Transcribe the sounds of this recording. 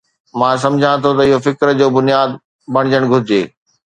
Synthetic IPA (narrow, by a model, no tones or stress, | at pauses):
mãːs̬ɐ̃md͡ʑʱãt̪ʰot̪ɐɪɦofɪkɾd͡ʑoːbʊnijaːd̪ | bɐɽ̃ɪd͡ʑəɽ̃ɡʱʊɾɪd͡ʑeː